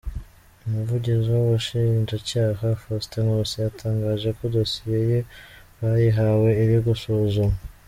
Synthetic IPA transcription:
umuvuɟiziwowuʃinʒacaːɦafosteŋosijatʰaːŋɡaːʒe̞ko̞do̞sije̞je̞ | βajiɦawe̞iɾiɡusozumu

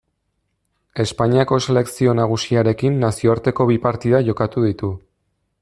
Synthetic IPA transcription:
e̞spaɲiako̞se̞le̞ksio̞naɣ̞usiaɾe̞kinːasio̞aɾt̪e̞ko̞βipaɾt̪iðaʝo̞kat̪uð̞it̪u

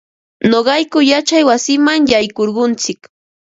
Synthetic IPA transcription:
noɢɑjkʊjat͡ʃajwasɪmaŋjajkoɾɢʊnt͡sɪk

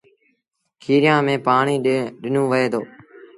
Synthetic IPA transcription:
kʰiːɾɪjãːmẽːpaːɳiːɗɪnũːʋəeːd̪oː

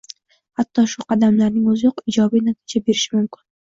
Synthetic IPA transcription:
hat̪ʰːɒʃʊqʰɑd̪amlaɾnɪŋozjoqɪd͡ʒɒbijnat̪ʰi̥d͡ʒabe̞ɾɪʃɪmʊmkʰʲɪn

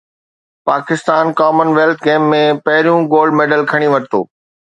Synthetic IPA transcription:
paːkɪst̪aːnkaːmənʋeːlt̪ʰɡeːmːẽpɐɦɪɾijũɡoːlɖmeːɖəlkʰɐɽ̃ĩʋɐʈt̪o̰ː

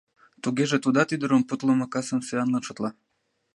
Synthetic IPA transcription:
t̪uɣeʒet̪ud̪ɑt̪yd̪ə̆ɾomput̪lə̆mɤkɑsəmseɑnlɑnʃŏt̪lɑ

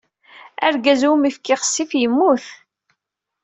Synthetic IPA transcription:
æ̰ɾɡæzumifkiʁə̥sːifjəmːuθ

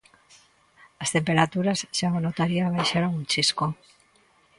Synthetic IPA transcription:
ast̪empeɾat̪uɾazʃaβonot̪aɾiaβ̞ajʃaɾoŋunt͡ʃisko

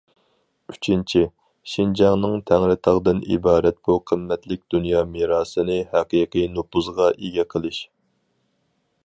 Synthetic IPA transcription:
yt͡ʃʰint͡ʃʰi | ʃind͡ʒɛŋnɨŋt̪ʰɛŋɾɪt̪ʰɑʁd̪ɨnḭbɑːɾɛt̪̚b̥uqʰəmːɛt̪lɪk̚ʲd̪̥unjɑːmiɾɑːsɨnɨhɛqiqʰɨjnupuzʁɑʔeɡʲɛqʰəlˠɨʃ

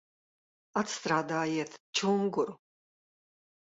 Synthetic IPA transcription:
at̪st̪ɾaːd̪aːjɛɛt̪ʰt͡ʃʰuːŋɡuɾ

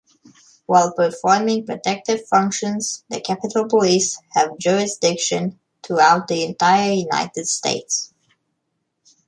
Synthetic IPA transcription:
waɪlˠpə˞fɔɹmɪ̃ŋpɹɔtʰɛk̚tɪv̥fʌ̃ŋkʃə̃nz̥ðɨkʰæpɨtəl̩ˠpəlishɨvd͡ʒʊɹɪsd̥ɪkʃɨ̃n | tʰɹuaʊt̪̚ðiɨ̃ntaɪə˞juna̰ɪtɨd̥stḛɪts

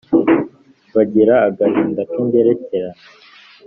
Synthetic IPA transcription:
βaɟiɾaːɡahiːndakiːnbeɾeceɾan

